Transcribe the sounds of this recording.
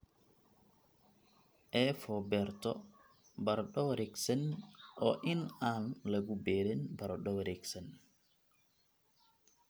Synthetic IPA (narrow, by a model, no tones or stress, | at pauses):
ʔɛːfɔbɛɾt̪ɔ | bɐɾɗɔwɾɛksɛnʔɔ̰ːʔɪnaːnlɐɡubɛːɾɛnbɐɾɔɗɔwɾɛksɛn